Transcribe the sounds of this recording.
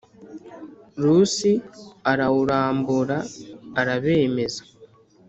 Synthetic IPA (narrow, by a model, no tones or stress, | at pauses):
ɾusiaɾawuɾaːmbuɾaːɾaβe̞ːme̞za